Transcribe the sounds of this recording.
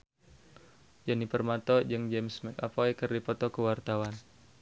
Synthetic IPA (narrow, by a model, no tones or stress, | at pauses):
d͡ʒanipərmat̪ɔd͡ʒəŋd͡ʒɛmsmɛkapɔikərdipɔt̪ɔkəwart̪awan